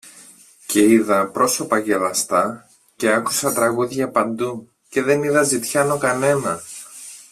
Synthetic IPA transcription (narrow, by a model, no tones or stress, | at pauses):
cʰe̞iðɐpɾo̞so̞pɐʝe̞lɐst̪ɐ | ce̞ɐku̥sɐt̪ɾɐɣuðʝɐpɐnd̪u | ce̞ðe̞niðɐzit̪çɐno̞kɐne̞nɐ